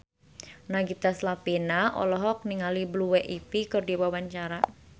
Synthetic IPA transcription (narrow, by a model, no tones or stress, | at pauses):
naɡit̪aslapinaʔɔ̰lɔɦɔk̚niŋalibluwɛʔipikɨrdiwawaɲt͡ʃaɾa